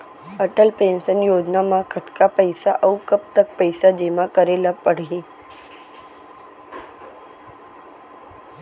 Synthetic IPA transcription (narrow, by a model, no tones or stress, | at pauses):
əʈəlpeːnsənjoːd͡ʒnamãkʰət̪kapəjsaʔəukəp̚t̪ək̚pəjsad͡ʒemãkəɾelapəɽ̤ĩ